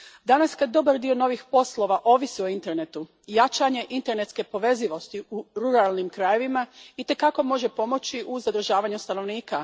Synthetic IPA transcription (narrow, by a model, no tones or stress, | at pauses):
d̪anaskad̪̚d̪o̞baɾd̪io̞no̞ʋixpo̞slˠo̞ʋaʔo̞ːʋisio̞int̪e̞ɾne̞t̪u | jat͡ʃaɲe̞ʔint̪e̞ɾne̞t̪ske̞po̞ʋe̞ziʋo̞st̪iuɾuɾalˠnimkɾaje̞ʋimait̪e̞kako̞mo̞ʒe̞po̞mo̞t͡ɕiʔuzad̪ɾ̩ʒaːʋaɲust̪ano̞ʋniːka